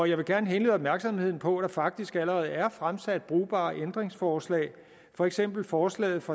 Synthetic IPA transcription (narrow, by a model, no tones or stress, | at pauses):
ɒjɑ̈ɪʋe̝ɡ̥æɐnəɦenlḛð̩ˠɒ̽b̚mæɐɡ̥sɒ̽mhe̝ð̞̰ˠn̩pʰɒ̽d̥ɑ̈fɑ̈ɡ̥̚d̥isɡ̥æləʁɛːð̞̩ˠæɐfʁamsæd̥̚b̥ʁuːb̥ɑ̰̈ːʔend̥ʁeŋsfɒːslɛ̰ːɪ | fɒ̽eɡ̥sem̰b̥l̩fɒːslɛ̰ːð̞̩ˠfɑ̈